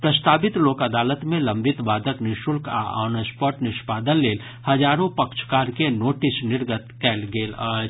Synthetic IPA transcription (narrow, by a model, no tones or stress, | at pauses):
pɾəst̪aːbɪt̪loːkɐd̪aːlət̪mẽlə̃mbɪt̪ʋaːd̪əknɪʃʊlka̰ɔ̰ːnəspɔːʈnɪʃpaːd̪ənleːl | hɐd͡ʒaːɾõpəkʃkaːɾkenoːʈɪsnɪɾɡət̪kɛːlɡeːləː